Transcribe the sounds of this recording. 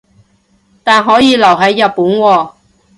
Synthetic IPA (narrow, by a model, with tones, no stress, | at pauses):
t̪aː˨nɦɔː˨˥jiː˨˧lɐ˨˩wɦɐ˨˥jːɐ˨t̚pːuː˨˥nwɔː˧